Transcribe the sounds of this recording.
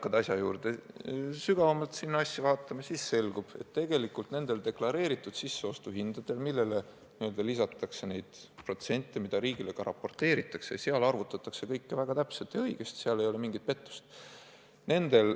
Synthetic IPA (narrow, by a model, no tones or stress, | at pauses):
kːɑd̪ɑsʲjɑjṵːrd̪̥e̞syɡ̥ɑvɑmɑlt̪sinːɑsʲːɑvɑːt̪ːˑɑmɑsisːe̞lɡ̥ub̥e̞̰t̪ːe̞ɡ̥e̞likːult̪ne̞nd̪e̞ld̪̥e̞klɑɾe̞ːɾit̪ːˑud̪̥sisːe̞o̞st̪uɦind̪̥ɑd̪̥e̞lmilːe̞le | niø̞ld̪ɑlisɑt̪ːˑɑkse̞ne̞jd̪̥pro̞t̪se̞nʲt̪ːˑemid̪ɑɾiːɡ̥ile̞ɡ̥ɑɾʔɑ̰pːo̞rt̪ːe̞ːɾit̪ːˑɑksejɑseɑlɑrvut̪ːˑɑt̪ːˑɑkse̞kɤjkːevæɡ̥ɑt̪æpselt̪jɑɤjɡ̥est̪seɑlejo̞le̞miŋɡit̪̚pe̞t̪ːu̥st̪ | ne̞nd̪̥e̞l